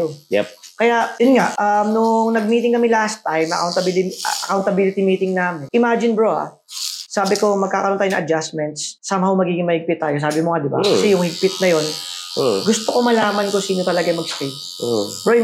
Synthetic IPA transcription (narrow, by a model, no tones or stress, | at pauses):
oɛkɐjaʔjonŋaʔɐmnʊŋnɐɡ̚miːt̪ɪŋkɐmɛlast̪ajmɐ̰kawnt̪ɐbilʔɐkawnt̪ɐbiːlɪt̪ɪmiːt̪ɪŋnaːmɪnʔɪmaːd͡ʒɪnbɹoha̰ | saːbɪko̞mɐɡkaːkɐɾot̪ajnɐ̰̃ŋːʔɐd͡ʒasmɛnt̪sːaːmɐho̞mɐɡiːɡɪŋmɐhɪɡ̚pɪt̪ːaːjo̞s̬aːbɪmoŋad̪ɪba̰kɐsɛjʊŋhɪɡ̚pɪt̪̚nɐjo̞n | ɡʊst̪oko̞mɐlaːmɐnkʊsiːno̞t̪ɐlɐɡamɐɡ̚ski | bɾoɪ